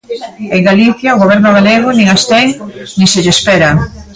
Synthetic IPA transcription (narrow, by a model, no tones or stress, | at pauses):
eŋɡaliθjaoɣoβ̞ɛɾnʊɣ̞aleɣ̞ʊnĩŋast̪ɛŋnĩŋseʎespɛɾa